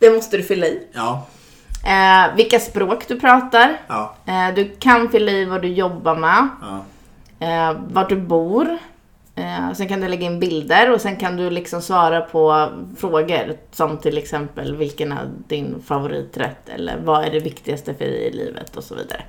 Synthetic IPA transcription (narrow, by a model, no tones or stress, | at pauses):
d̪̥ɛmɔst̪əd̪ɵfʏlːaɪ | vɪlkaspɾoːkd̪ɵpʰɾɑːt̪aɾ | d̪ɵkʰanfʏlːaɪvad̪ɵjɔbːaɾmɛ | vaʈ̚ɖɵbuːɾ | sɛnkand̪ɵlɛɡːaɪnbɪld̪əɾɔsɛnkʰand̪ɵlɪksɔmsvɑːɾapʰɔfɾoːɡəɾsɔmt̪ʰɪlɛksɛmpəlvɪlkənæ̰ɖɪnfavʊɾḭːt̪ɾɛ̰t̪ʰːɛ̰lːə̰ɾvaæɖɛvɪkt̪ɪɡast̪əfœ̰ɖɛ̰jɪ̰lḭːvə̰t̪ʰɔsɔvḭːd̪a̰ɾə̰